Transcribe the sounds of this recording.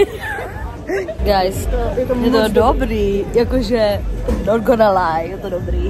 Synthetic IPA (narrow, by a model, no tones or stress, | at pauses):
ɡajsjɛt̪ojɛt̪odobɾiːjakoʒɛtomnot̪̚ɡɔnalajjɛt̪odobɾiː